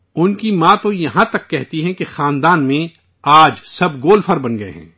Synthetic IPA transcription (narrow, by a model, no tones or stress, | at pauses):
ʊnkimãːt̪ojɐɦãt̪ɐkːɛɦt̪iɦɛ̃kexaːnd̪aːnmẽ | aːd͡ʒsɐb̚ɡoːlfʰəɾbɐnɡɐḛɦɛ̰̃ː